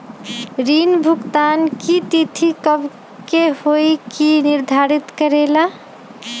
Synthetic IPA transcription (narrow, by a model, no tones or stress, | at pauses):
ɾinbʱukt̪ankit̪it̪ʰikəb | kehojkiniɾd̪ʱaɾit̪kəɾela